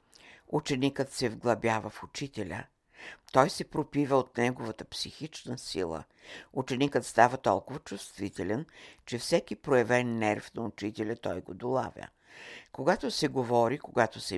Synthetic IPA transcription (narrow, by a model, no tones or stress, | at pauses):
ut͡ʃɛnikət̪sɛvɡlˠɐbjavəfut͡ʃit̪ɛlʲə̰ | t̪ɔjsɛpɾopivəot̪nɛɡovət̪əpsixit͡ʃnəsḭlˠə̰ | ut͡ʃɛnikət̪st̪avɐt̪ɔ̰lˠkʊvət͡ʃust̪vit̪ɛlʲɛnt͡ʃɛfsɛkipɾojɛvɛnːɛɾfnɐut͡ʃit̪ɛlʲət̪ɔjɡod̪olˠa̰vʲjə̰ | koɡat̪osɛɡovɔɾikoɡat̪osɛ